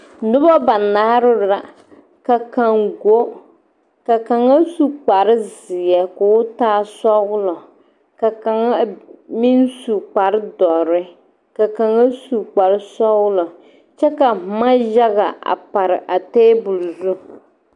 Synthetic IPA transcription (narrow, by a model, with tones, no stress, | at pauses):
nʊ˦bɔ˦ba˨naː˦ɾɨ˦ɾa˨ | ka˨ka˨ŋɡo˦ | ka˨ka˨ŋa˦su˦k͡pa˨ɾɪ˦zɪ˨ɛ˨kʊ˨˦ʊ˦taː˦sɔ˦ɣʊ˦lɔ˨ | ka˨ka˨ŋa˦mi˦nsu˨k͡pa˨ɾɨ˦dɔ˨ɾɪ˦ | ka˨ka˨ŋa˦su˨k͡pa˨ɾɨ˦sɔ˦ɣʊ˦lɔ˨ | t͡ʃɛ˦ka˨ma˦ʒa˦ɣa˨ʔa̰˨pa˨ɾɪ˨ʔa˨teː˦bʊ˨lzu˦